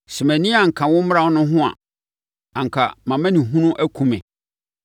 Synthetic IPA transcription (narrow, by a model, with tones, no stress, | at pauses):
sɛ˨mæ̃˨nĩ˦a˨ŋ̩˨kʰã˨wʊ̃˦m̩˦m˦ɾa˦nʊ̃˦ɦʊ̃˦a̰˨ | ã˨ŋ̩˨kʰa̰˨mã˨mæ̃˦nĩ˨ɦũ˦nʊ̃˦ʔæ˦kʰũ˦mɛ̰̃˨